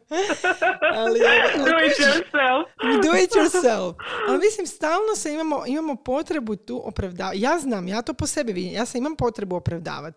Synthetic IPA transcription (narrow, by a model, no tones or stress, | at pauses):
aliuit̪joɾselˠfjd̪uit̪joɾselfalmislimst̪aːlˠnoseimamo̞ʔimamopo̞t̪ɾe̞but̪uːʔopɾaʋd̪aːjaːznaːmjaːt̪o̞ːpose̞biʋid̪imjaːseimampo̞t̪ɾe̞buopɾaʋd̪a̰ːʋat̪